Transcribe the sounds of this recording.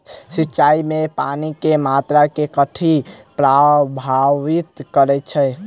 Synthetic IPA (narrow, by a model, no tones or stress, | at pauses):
sitːt͡ʃʃaimepanikemat̪ɾakekəʈʰipɾabʱaʋit̪kəɾɛt͡ʃʰɛ